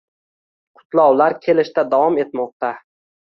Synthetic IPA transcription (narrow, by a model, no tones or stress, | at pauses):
qʰʊ̥t̪lˠɒwlaɾkʲʰe̞lɪʃt̪ad̪awɒme̞t̪mɒq̚t̪a